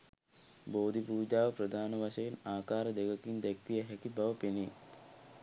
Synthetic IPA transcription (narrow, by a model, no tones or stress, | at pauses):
boːd̪ʱipuːd͡ʒaːʋəpɾəd̪ʱaːnəʋaʃɐjinaːkaːɾəd̪eɡɐkind̪ækʋijəɦɛkibaʋəpeni